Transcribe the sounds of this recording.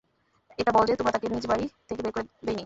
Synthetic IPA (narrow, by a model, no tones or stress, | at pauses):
eʈabɔld͡ʑet̪omɾat̪akeɾnid͡ʑebaɾit̪ʰekebeɾkoɾed̪ejni